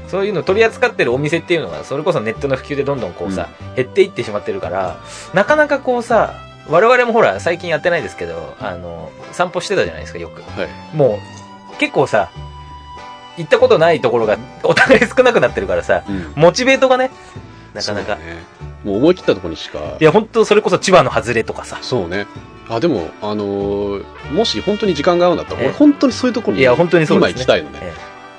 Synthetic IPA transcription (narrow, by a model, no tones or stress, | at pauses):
so̞ːjɯ̟ːnoːt̪o̞ɾʲiat͡sɨ̥kat̪ːe̞ɾɯ̟o̞mʲise̞t̪ːejɯ̟no̞ɡa̰so̞ɾe̞ko̞s̬o̞ne̞t̪ːo̞no̞ɸɯ̟̥kʲɨ̟ːd̪e̞d̪õ̞nd̪õ̞ŋko̞ːsa̰he̞t̪ːe̞it̪ːe̞ɕimat̪ːe̞ɾɯ̟ka̰ɾa̰ | nakanakako̞ːsa | βaɾe̞βaɾe̞mo̞ɦo̞ɾa̰saikʲĩjat̪ːe̞naid̪e̞sɨ̥ke̞d̪o̞̰a̰no̞sãmpo̞ɕi̥t̪e̞t̪aʑa̰na̰id̪eska̰jo̞kɯ̟ha | mo̞ː | ke̞kːo̞ːsa | it̪ːako̞t̪o̞nait̪o̞ko̞ɾo̞ɡao̞t̪aɡaisɨ̥kɯ̟nak̬ɯnat̪ːe̞ɾɯ̟kaɾasa̰mo̞t͡ɕibe̞ːt̪o̞ɡane̞ | naskanaka̰e | moːmo̞ikʲi̥t̪ːat̪o̞koɾoɲ̟iɕi̥ka̰jaɦõ̞nt̪o̞so̞ɾe̞ko̞s̬o̞t͡ɕibano̞hazɨɾe̞t̪o̞kḁsaso̞ːne̞ | ad̪e̞mo̞̰ano | mo̞ɕihõ̞nt̪o̞ɲ̟iʑikãŋɡaːɾɯ̟nd̪at̪ːaoɾehõ̞nt̪ːo̞ɲ̟isoːjɯ̟t̪okoɾojahõ̞nt̪̬o̞ɲ̟isoimaikʲit̪aino̰nḛḛ